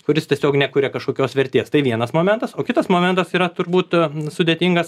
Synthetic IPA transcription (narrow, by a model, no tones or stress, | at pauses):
kʊɾʲɪstʲiɛsʲoːknʲɛkʊɾʲɛkɐʃkoːkʲoːsʋʲɛɾʲt̪ʲeːst̪ɐɪʋʲiɛnɐsmoːmʲɛnt̪ɐsoːkʲɪt̪ɐsmoːmʲɛnt̪ɐsiːɾɐt̪ʊɾbuːt̪sʊd̪ʲeːt̪ʲɪŋɡɐs